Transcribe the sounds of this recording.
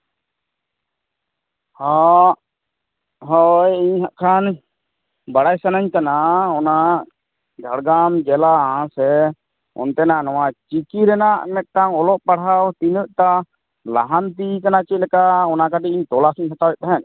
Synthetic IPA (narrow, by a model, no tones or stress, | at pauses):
ha | ɦɔjiɲɦaʔkʰan | baɽajsanaɲkanaɔna | d͡ʒʱaɽɡamd͡ʒɛlaɦãsɛ | ɔ̰nt̪ɛnanɔwat͡ʃikiɾɛnaʔmɛt̪̚ˀʈaŋɔlɔʔpaɽɦawt̪inəʔ̚t̪a | la̰ɦant̪ikanat͡ʃiˀlɛkaɔnakaʈiiɲt̪ɔlasiɲɦat̪awɛʔ̚t̪aɦɛn